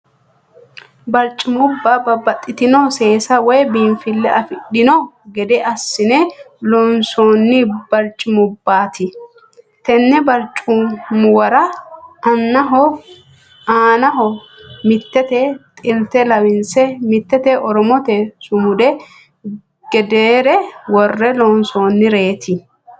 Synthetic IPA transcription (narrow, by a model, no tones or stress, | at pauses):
bɐɾt͡ʃʼːɪmʊbːabɐbɐt̪ʼːɪt̪ɪnɔse̞ːsɐwɔjbinfɪlːɛʔɐfɪɗɪnɔɡɛd̪ɛʔɐsːɪnɛ | lɔnsoːnːɪbɐɾt͡ʃʼːɪmʊbːaːt̪ɪ | t̪ɛnːɛbɐɾt͡ʃʼːʊmʊwɐɾɐɐnːɐɦɔ | aːnɐɦɔ | mɪt̪ːɛt̪ɛt̪ʼɪlt̪ɛlɐwɪnsɛmɪt̪ːɛt̪ɛʔɔɾɔmɔt̪ɛsʊmʊd̪ɛ | ɡ̥ɛd̪eːɾɛwɔrːɛlɔnsoːnːɪɾe̞ːt̪ʰɪ